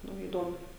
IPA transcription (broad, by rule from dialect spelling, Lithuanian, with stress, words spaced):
ˈnʊ iːˈdoːmʊ